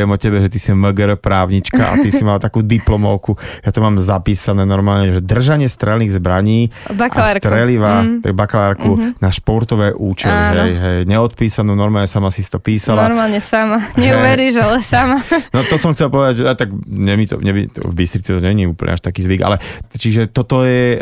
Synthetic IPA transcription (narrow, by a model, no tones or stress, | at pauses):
ɛmɔcɛbɛʒɛt̪isimɛɡɛɾpɾaːʊɲit͡ʃka̰a̰t̪isimalat̪akuːd̪iplɔmɔʊkujat̪ɔmaːmzapiːsanɛːnɔɾmaːlɲɛʒɛd̪r̩ʒaɲɪɛst̪ɾɛlniːɣzbɾaɲiːbaʔalsaɾt̪ɾɛliʋat̪a̰ɡ̚bakalaɾkunaʃpɔɾt̪ɔʋɛːʔuːt͡ʃɛɲaiɦɛjɦɛjɲɛɔt̪̚piːsanuːnɔɾmaːlɲɛsamasisi̥t̪ɔpiːsalaɾmaːlɲɛsamaɲɛuʋɛɾiːʒalɛsamanɔt̪ɔsɔmxt͡sɛlpɔʋɛd̪aɟʒat̪aɡɲɛmit̪ɔ̰ɲɛbḭt̪ɛ̰vbist̪ɾit͡sɛt̪ɔɲɛɲiuːpl̰ɲʔɛ̰aʃt̪akiːzʋiɡa̰lɛt͡ʃiʒɛt̪ɔt̪ɔjɛ